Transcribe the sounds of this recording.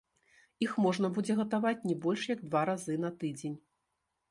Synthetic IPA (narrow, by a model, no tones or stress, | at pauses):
ixmɔʐnɐbud͡zʲɛɣɐt̪avat͡sʲnʲɛbɔlʲʂjɐɡ̚d̪vaɾazɨnɐt̪ɨd͡zʲenʲ